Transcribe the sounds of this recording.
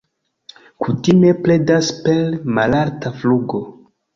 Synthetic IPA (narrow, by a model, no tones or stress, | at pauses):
kutime̞pledaspelmalaɾtafluɡo̞